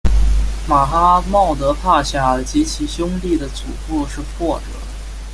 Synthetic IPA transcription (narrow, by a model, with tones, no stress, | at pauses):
ma˨˩xa˥mɑ˥˩ʊt̪ɤ˧˥pʰa˥˧ɕja˥˩ə˞˧˥t͡ɕi˧˥t͡ɕʰi˨˩ɕjʊ˥ŋli˥˩d̪ə˩t͡sṵ˨˩fu˥˧ʂɻ̩˥˧pʰwɔ˥˩ʈ͡ʂɤ̰˨˩˦